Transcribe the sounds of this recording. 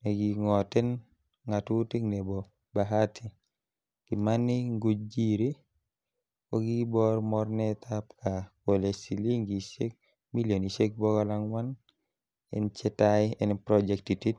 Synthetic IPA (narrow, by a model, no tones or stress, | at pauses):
nɛɡiŋɔtɛn | ŋatutiknɛbɔ | baɦatʰi | kimaniŋɡud͡ʒiɾi | kɔɡibɔɾmɔɾnɛtʰapkʰakolesiliŋɡisek̚ | miljonisek̚bɔɡɔlaŋwan | ɛ̰nt͡ʃɛtajɛnpɾɔd͡ʒɛktitit̚